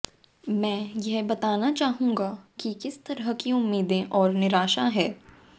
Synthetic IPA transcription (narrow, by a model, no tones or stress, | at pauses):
mɛ̃ːjɛɦbɐt̪aːnat͡ʃaːɦũːɡakikɪst̪ɐɾɦəkiʊmːiːd̪ẽʔɔːɾnɪɾaːʃaɦɛː